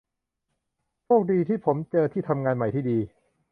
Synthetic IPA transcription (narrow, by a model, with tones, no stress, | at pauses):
t͡ɕʰoː˥˩k̚diː˧t̪ʰiː˥˩pʰo˩˦mt͡ɕɤː˧t̪ʰiː˥˩t̪ʰa˧mŋaː˧nma˨˩jt̪ʰiː˥˩diː˧